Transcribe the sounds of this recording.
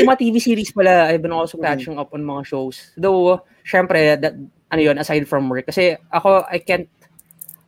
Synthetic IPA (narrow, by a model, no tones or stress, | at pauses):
ʊmɐat̪iːvisiːɾispɐlaɐjbɪnʔolsokat͡ʃɪŋɐpɔnmɐŋaʃowsd̪ow | ʃɛmpɾɛd̪ɐt̪̚ | ʔɐnojonɐsajd̪̚fɹɐmwɛɹk̚ːɐsɛʔɐko̞ʔɐjkant̪̚